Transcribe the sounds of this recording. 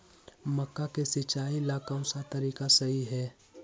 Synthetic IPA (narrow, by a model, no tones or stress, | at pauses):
məkːakesɪt͡ʃaːilaːkəʊ̃sat̪ɐɾiːkasɐɦiɦɛː